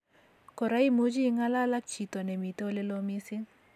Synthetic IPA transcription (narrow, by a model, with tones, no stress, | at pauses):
kɔ˨ɾa˦i˦mu˦d͡ʒi˦ŋa˦la˦la˦k̚t͡ʃi˨t̪o˨nɛ˨mi˨t̪o˦le˦lo˦mi˦si˦ŋ